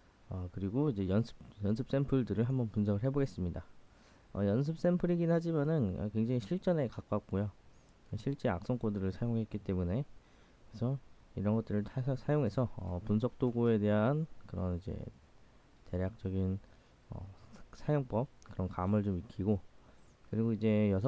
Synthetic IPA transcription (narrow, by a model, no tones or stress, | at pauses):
ʌkɯɾiɡoid͡ʑe̞jʌnsʰɯ̥p̚jʌnsʰɯp̚s͈e̞mpʰɯɭdɯɾɯɭɦambʌnpuns̬ʰʌɡɯɭɦe̞boɡe̞s͈ɯmɲida | ʌ̰jʌns̬ʰɯp̚s͈e̞mpʰɯɾiɡinɦad͡ʑimanɯnʌ̰kwe̞ŋd͡ʑaŋiɕʰiɭt͡ɕ͈ʌne̞kak͈ak̚k͈ojo | ɕʰiɭt͡ɕ͈e̞a̰k̚s͈ʌŋk͈odɯɾɯɭsʰajoŋɦe̞t̚k͈it͈e̞mune̞ | esʰʌiɾʌnɡʌt͈̚ɯɾɯɭʰsʰajoŋɦe̞sʰʌʌ̰punsʰʌk̚t͈oɡoe̞de̞ɦankɯɾʌnid͡ʑe̞̰ | te̞ɾjak̚t͡ɕ͈ʌɡin | ʌ̰sʰajoŋp͈ʌp̚kɯɾʌnkamɯɭt͡ɕomik͈ʰiɡo | kɯɾiɡoid͡ʑe̞jʌsʰʌ